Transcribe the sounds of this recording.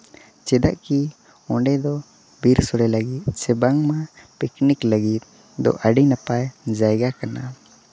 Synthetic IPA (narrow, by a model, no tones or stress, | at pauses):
t͡ʃɛd̪a̰ʔki | ɔ̃ɳɖɛd̪ɔ | biɾsɔɾɛləɡit̪̚sɛbaŋmapiknikləɡit̪̚ | d̪ɔ̰ʔəɖinapajd͡ʒajɡakana